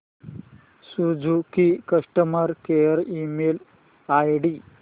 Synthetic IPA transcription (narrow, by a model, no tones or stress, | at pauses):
sud͡ʒukikɐʂʈɐmɐɾkejɐɾimeːl | aːjɖi